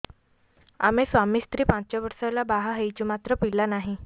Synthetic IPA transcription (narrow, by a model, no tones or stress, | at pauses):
a̰mesʋamiːst̪ɾiːpãt͡ɕt͡ɕaʋəɾsalabaɦaɦejt͡ɕimat̪ɾəpilanaɦi